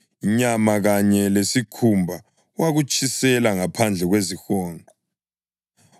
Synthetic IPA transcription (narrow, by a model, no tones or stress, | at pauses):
iɲamaɣaɲɛlesikʰumbʱa | waɣut͡ʃʼisɛlaŋapʰand͡ɮʱɛɣwezixɔːŋʱɔ